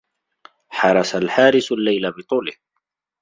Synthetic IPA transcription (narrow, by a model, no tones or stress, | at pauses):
ħɑɾˤɑsalħaːɾɪsalːajlabɪt̪ˤuːlɪh